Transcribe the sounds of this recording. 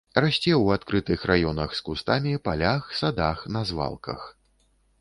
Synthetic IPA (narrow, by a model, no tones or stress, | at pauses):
rasʲt͡sʲɛwat̪kɾɨt̪ɨxrajɔnɐxskust̪amʲipalʲaxsad̪axnɐzva̰lˠkʰɐ̰x